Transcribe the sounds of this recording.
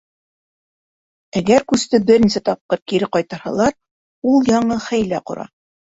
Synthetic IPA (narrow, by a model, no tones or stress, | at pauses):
æɡæɾkʉst̪ɘbɘ̆ɾnisɘt̪ɑp̚qɤɾkiɾɘqɑjt̪ɑɾhɑ̰lˠɑɾ | ulˠjɑɴɤχæjlæqŏ̰ɾɑ̰